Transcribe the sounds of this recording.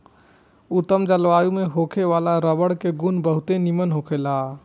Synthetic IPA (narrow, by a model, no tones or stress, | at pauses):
ʊt̪ːəmd͡ʒəlʋaːjumeɦokʰeʋalaɾəbəɽkeɡunbəɦʊt̪enimənɦokʰela